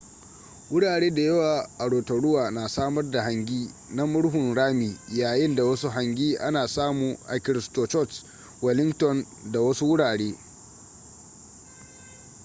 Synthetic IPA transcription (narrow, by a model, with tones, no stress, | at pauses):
wʊ˦ɽaː˨ɽeː˦da˨jɐ˦waː˨ʔa˨ɽoː˨tɐ˨ɽʊ˦waː˨na˨saː˦mɐ˦rda˨ɦa˨ŋɡʲiː˦ | na˦mʊ˦ɽɦʊ˨nɽaː˦miː˨jaː˨jɪ˦nda˨wɐ˦su˦ɦa˨ŋɡʲiː˦ʔa˦naː˨saː˦muː˨ʔa˨kʲɪ˨ɾɪ˨stoː˨t͡ʃɔ˦t | wɐ˨lɪ˦ŋtɔ˨n | da˨wɐ˦su˦wʊ˦ɽaː˨ɽeː˦